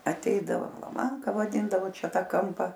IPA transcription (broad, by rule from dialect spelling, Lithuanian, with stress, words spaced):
ɐˈtʲɛɪdɐʋoː lˠɐˈmɐŋkɐ ʋɐˈdʲɪndɐʋoː ˈt͡ʃʲɛ ˈtɑː ˈkɐmpɐ